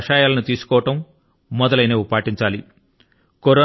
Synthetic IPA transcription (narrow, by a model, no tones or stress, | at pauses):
ʃaːjaːlɐnut̪iːsu̥kɔːʋɐʈɐmː | ɔd̪ɐlɐjneːupaːʈiɲt͡ʃaːli | koɾɔː